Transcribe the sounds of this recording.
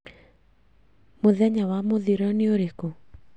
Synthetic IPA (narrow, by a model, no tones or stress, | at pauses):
moðɛɲawamoðiɾɔneoɾeko